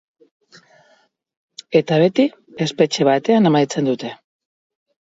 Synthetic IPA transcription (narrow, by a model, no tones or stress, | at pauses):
e̞t̪aβ̞e̞t̪i | e̞spe̞t͡ʃe̞β̞at̪e̞anamajt͡se̞nd̪ut̪e̞